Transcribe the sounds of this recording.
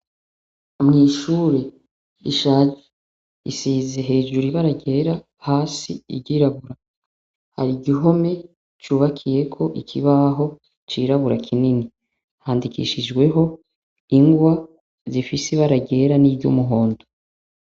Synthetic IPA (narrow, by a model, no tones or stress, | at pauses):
mŋiːʃuːɾe̞ | iʃad͡ʒe | isiːzeɦe̞ːʒuɾiβaɾaɟe̞ɾa | haːsḭḭbɟiːɾaβuɾa | ha̰ɾiɟiɦo̞me̞ | t͡ʃuːβakʰije̞kʰo̞ʔikʰiβaɦo̞ | t͡ʃiːɾaβuɾakʰinini | haːndikḭʃid͡ʒɡwe̞ɦo̞ | iŋɡwa | zifisiβaɾaɟe̞ɾaniːbɟṵmuɦo̞ːndo